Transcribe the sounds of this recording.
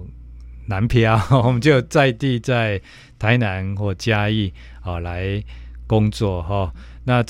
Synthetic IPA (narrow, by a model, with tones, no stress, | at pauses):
na˨˦npʰja˥˦wɔ˨˩mə˨˦nt͡ɕjo˥˧ʊt͡sa˥˧ɪt̪i˥˧˨t͡sa˥˩ɪ | t̪ʰa˨˦ɪna˨˦nhwɔ˥˩t͡ɕja˦i˥˨ | ɔ˨˩la˨˦ɪkɔ˦ŋt͡swɔ˥˨ɦɔ˥˨˩nã˥˨